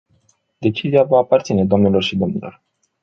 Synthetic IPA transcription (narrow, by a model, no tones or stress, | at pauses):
d̪e̞t͡ʃiziavaːpart̪sine̞d̪oamnelo̞rʃid̪o̞mnḭlo̞̰r